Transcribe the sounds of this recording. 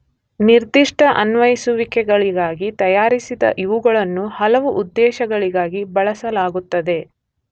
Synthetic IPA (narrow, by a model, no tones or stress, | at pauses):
niɾd̪iʂʈɐʔɐnʋɐjisuʋikɛɡɐɭiɡaːɡit̪ɐjaːɾisid̪ɐ̰ʔiʋuɡɐɭɐnːuhɐlɐʋuʔud̪ːɛːʃɐɡɐɭiɡaːɡibɐɭɐsɐlaːɡut̪ːɐd̪e̞